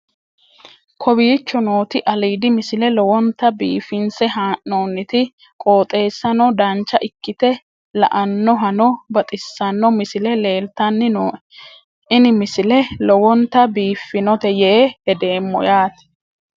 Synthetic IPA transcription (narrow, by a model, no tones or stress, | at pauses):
kʰɔbiːt͡ʃːɔno̞ːt̪ɪʔɐliːd̪ɪmɪsɪlɛlɔwɔnt̪ːɐbḭːfɪnsɛɦaːʔnoːnːɪt̪ɪ | kʼo̞ːt̪ʼe̞ːsːɐnɔd̪ɐnt͡ʃːɐʔɪkːɪt̪ɛ | lɐ̰ʔɐnːɔɦɐnɔbɐt̪ʼɪsːɐnːɔmɪsɪlɛle̞ːlt̪ɐnːɪnoː | ʔɪnɪmɪsɪlɛlɔwɔnt̪ːɐbiːfːɪnɔt̪ɛjɛehɛd̪e̞ːmːɔ̰jaːt̪ɪ̥